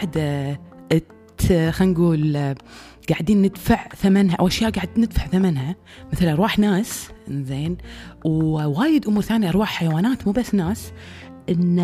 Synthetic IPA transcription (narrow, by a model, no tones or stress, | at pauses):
ʕd̪aʔɪt̪xanɡuːl | ɡ̥aʕd̪iːnːɪd̪faʕθamanɦaʔa̰wʔaʃjaːʔɡaʕd̪nɪd̪faʕθamanɦa | mɪθlʔɾˤwaːħnaːszeːnwwaːjɪd̪ʔʊmuːɾθaːnjaʔɑɾˤwaːħħajawaːnaːt̪muːbasːnaːsʔɪnː